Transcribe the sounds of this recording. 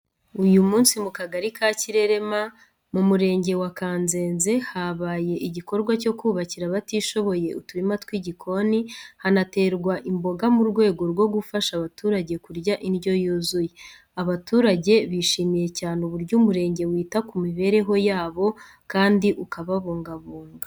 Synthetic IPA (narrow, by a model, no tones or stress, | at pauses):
ujumuːnsimukaɡaɾikaciɾe̞ɾe̞ma | mumuɾe̞ːɲɟe̞wakaːnze̞ːnze̞haβaːje̞ʔiɟiko̞ɾɡwaco̞kuːβaciɾaβatiʃo̞βo̞je̞utuɾimatwiɟikʰo̞nihanate̞ːɾɡwaʔimbo̞ɡamuɾɡwe̞ːɡo̞ɾɡwo̞ɡufaʃaβatuːɾaɟe̞kuɾɟaʔinjo̞juːzuje | aβatuːɾaɟe̞βiʃiːmije̞caːneuβuɾɟuːmuɾe̞ːɲɟe̞wiːtakumiβe̞ːɾe̞ɦo̞jaːβo̞ | kaːndiʔukaβaβuːŋɡaβuːŋɡa